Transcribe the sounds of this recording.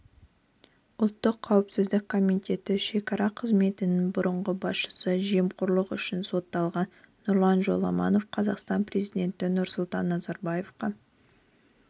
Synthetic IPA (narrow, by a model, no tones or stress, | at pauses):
ʊlˠt̪ːəqʰːɑwɪpsɪzd̪ɪk̚kʰːo̞mit̪ʲe̞t̪ɪʃe̞kɑɾɑqʰəzme̞t̪ɪnɪŋbʊɾəɴʁəbɑsʃə̥səʒe̞mqʰʊɾlˠəqʏʃɪnso̞t̪ːɑlˠʁɑnː | ʊɾlˠɑnʒo̞̰lˠɑ̰mɑ̰no̞fqʰɑzɑqst̪ɑnpre̞zid̪ʲe̞nt̪ɪnʊɾsʊlˠt̪ɑnːɑzɑɾbɑje̞fqɑ